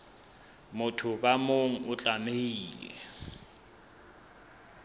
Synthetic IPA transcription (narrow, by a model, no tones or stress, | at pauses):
mʊtʰʊk̬ʼamoŋ̩ʊt͡ɬʼameiːlɛ̰